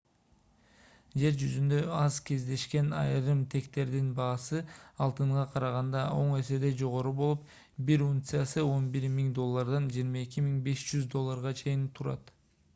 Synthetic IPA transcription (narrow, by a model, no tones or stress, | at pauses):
d͡ʒe̞ɾd͡ʒyzynd̪ø̞ɑzkʰe̞zd̪e̞ʃke̞nɑ̰jɾɯmt̪ʰe̞kt̪e̞ɾd̪inbɑːsɯɑlˠt̪ɯɴʁɑqʰɑɾɑʁɑnd̪ɑo̞ɴe̞se̞d̪e̞d͡ʒo̞ʁo̞ɾubo̞lˠup | biɾuŋt̪sɨjasɯo̞nbiɾmiŋd̪o̞lˠːaɾd̪ɑnd͡ʒiːɾmɑe̞kimiŋbe̞ʃd͡ʒyzd̪o̞lˠːaɾʁɑt͡ʃʰe̞jint̪ʰuɾɑ̰t̪